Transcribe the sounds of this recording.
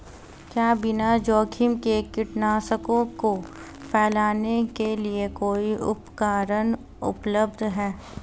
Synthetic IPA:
kjaːbɪnad͡ʒɔːkʰɪmkekɪʈnaːsəkõko | pʰɛːlaːnekeliekoːiʔʊpkaːɾən | ʊ̰pləbd̪ʱɦɛː

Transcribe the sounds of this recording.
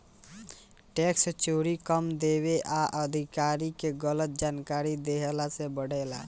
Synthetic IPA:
ʈekst͡ʃoɾikəmd̪eβeʔaʔəd̪ʱikaɾikeɡələt̪̚d͡ʒankaɾid̪eɦelasebəɽ̤ɛla

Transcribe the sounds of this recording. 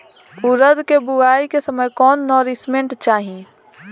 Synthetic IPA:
ʊɾəd̪kebʊɡaːikesəməjkɔːnːɔːɾɪsmẽɳʈt͡ʃaːɦĩ

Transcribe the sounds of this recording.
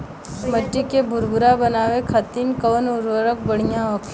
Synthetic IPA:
məʈːikebʱʊɾbʱʊɾabənaːʋekʰat̪iːnkəʋnʊɾʋəɾək̚bəɽ̤ijãɔkʰ

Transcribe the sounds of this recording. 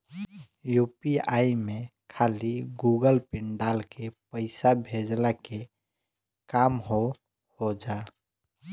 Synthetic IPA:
juːpiaimẽkʰaːliɡuːɡəlpɪɳɖaːlkepəɪsabʱed͡ʒlake | kaːmɦo | hod͡ʒaː

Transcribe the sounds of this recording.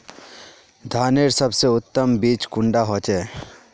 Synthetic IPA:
d̪ʱaːneɾsɐbseʊt̪ːəmbiːt͡ʃkʊ̃ɳɖaɦoːt͡ʃeː

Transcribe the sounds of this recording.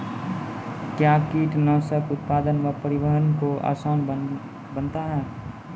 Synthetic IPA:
kjakiːʈnaːsəkʊt̪̚paːd̪ənməpəɾibəɦənkoa̰ːsaːn | bənt̪aɦɛː

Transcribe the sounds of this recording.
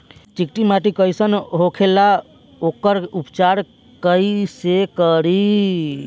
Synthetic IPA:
t͡ʃikʈimaʈikəjsənɦokʰela | okəɾupt͡ʃaɾ | kəisekəɾi

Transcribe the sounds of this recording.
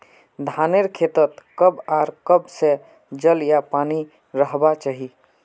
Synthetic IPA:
d̪ʱaneɾkʰet̪ət̪kəbaɾkəbsẽ | d͡ʒəljapani | ɾəɦbat͡ʃaɦi

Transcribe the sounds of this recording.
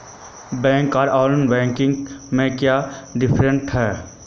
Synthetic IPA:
bɛ̃ːŋkaːɾaːlənbɛ̃ːŋkɪ̃ŋɡmẽkjaːɖɪpʰɾə̃ɳʈɦɛː

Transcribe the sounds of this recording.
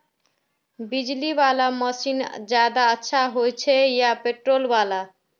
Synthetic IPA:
bid͡ʒlibalamʌsind͡ʒad̪aətːʃʰaɦojt͡ʃʰejapeʈɾolbala

